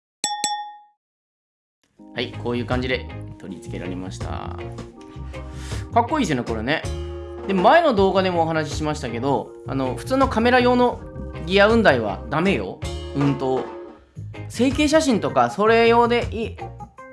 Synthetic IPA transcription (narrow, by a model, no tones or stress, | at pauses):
haiko̞ːjɯ̟ːkãɲ̟d͡ʑid̪e̞t̪o̞ɾʲit͡sɨ̥ke̞ɾa̰ɾe̞̰ma̰ɕi̥t̪a̰ | kakːo̞iːs̬joneko̞ɾene̞d̪e̞mmae̞no̞d̪o̞ːɡad̪e̞mo̞ːɦanaɕi̥ɕimaɕi̥t̪ake̞d̪o̞ | a̰noɸɯ̟̥t͡sɨːnokame̞ɾajo̞ːno̞ɡʲiaɯ̟̃nd̪aiβ̞a̰d̪ame̞jo̞̰ɯ̟̃nt̪o̞ | se̞ːke̞ːɕ̬aɕĩnt̪o̞kaso̞ɾe̞jo̞ːd̪e̞ʔiː